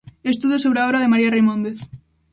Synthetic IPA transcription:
est̪uðosoβɾeaoβɾaðemaɾiarejmõnd̪eθ

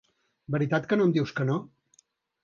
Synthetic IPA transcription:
bəɾit̪at̪kənoəmd̪iwskəno

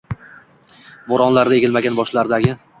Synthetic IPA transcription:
boɾɒnlaɾae̞ɡʲɪlmaɡʲanbɒʃlaɾd̪aɡʲɪ

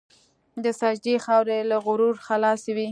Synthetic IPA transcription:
d̪əsɑd͡ʒd̪ixɑwɾelaɣʊɾuɾxalɑswi

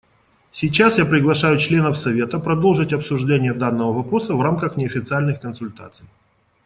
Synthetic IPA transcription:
sʲɪt͡ɕasjapɾʲɪɡlˠɐʂajʊt͡ɕlʲe̞nəfsɐvʲe̞t̪əpɾɐd̪o̞lˠʐɨtʲɐpsʊʐdʲenʲɪjəd̪anːəvəvɐpɾo̞səvramkəxnʲɪɐfʲɪt̪sɨalʲnɨxkənsʊlʲt̪a̰t̪sɨj

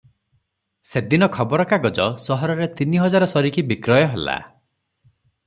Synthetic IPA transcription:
sed̪inɔkʰɔbɔɾɔkaɡɔd͡ʒɔsɔɦɔɾɔɾet̪iniɦɔd͡ʒaɾɔsɔɾikibikɾɔjɔɦela̰

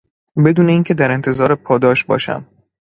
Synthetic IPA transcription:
be̞d̪uːne̞iːncʰe̞d̪æɾe̞nt̪ʰe̞zɒːɾepʰɒːd̪ɒːʃbɒ̰ːʃæ̰m

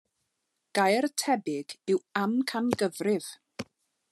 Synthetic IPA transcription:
ɡ̥ajrtʰɛbɪɡɪwamkʰanɡəvrɪv̥

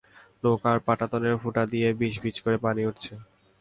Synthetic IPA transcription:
lokaɾpaʈat̪oneɾfuʈad̪ijebiʃbit͡ɕkoɾepaniuʈt͡ɕʰe

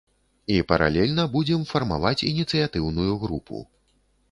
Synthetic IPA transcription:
ipɐɾʔa̰lʲɛlʲnɐbud͡zʲɛmfɐrma̰vat͡sʲinʲit̪sɨjat̪ɨwnujuɣɾupṵ

